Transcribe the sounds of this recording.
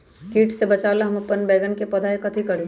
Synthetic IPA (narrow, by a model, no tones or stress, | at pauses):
kiːʈʰsebɐt͡ʃaːlaɦɐmɐpːənbɛːɡənkepɐd̪ʱaekɐt̪ʰikɐɾẽː